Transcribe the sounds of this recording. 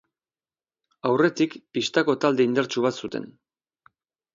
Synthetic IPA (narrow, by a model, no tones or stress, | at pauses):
awre̞t̪ikpist̪ako̞t̪ald̪e̞ind̪e̞ɾt͡ʃuβ̞at̪sut̪e̞̰n